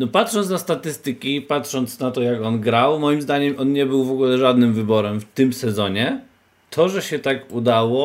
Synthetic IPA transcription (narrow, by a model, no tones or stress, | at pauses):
nɔpat̪ʂɔnt̪nast̪at̪ɘst̪ɘkʲipatʂɔnt̪snat̪ɔjakɔnɡɾawmɔjimzd̪aɲɛmʔɔnɲɛbɘwvɔɡulɛʐad̪nɘmvɘbɔɾɛmft̪ɘmsɛzɔɲɛ | t̪ʰɔʐɛɕɛt̪akud̪awɔ